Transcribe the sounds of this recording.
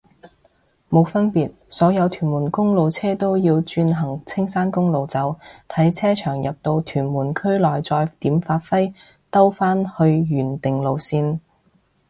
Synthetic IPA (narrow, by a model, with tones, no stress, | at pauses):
mo˨˧wfɐ˥npiː˨t̚sɔː˨˥jɐ˨˧wt̪ʰyː˨˩nmuː˨˩nkʊ˥ŋlo˨˧wt͡sʰɛː˥t̪o˥wjiː˧wt͡ʃyː˧nɦɐ˨˩ŋt͡sʰɪ˥ŋsaː˥nkʊ˥ŋlo˨wt͡sɐ˨˥wt̪ʰɐ˨˥jt͡sʰɛː˥t͡ʃʰœː˨˩ŋjɐ˨p̚t̪o˧wt̪ʰyː˨˩nmuː˨˩nkʰɵ˥ɥlɔː˨˩jt͡sɔː˧jt̪iː˨˥mfaː˧t̚fɐ˥j | t̪ɐ˥wfaː˥nhɵ˧ɥjyː˨˩nt̪ɪ˨ŋlo˨˧wsiː˧n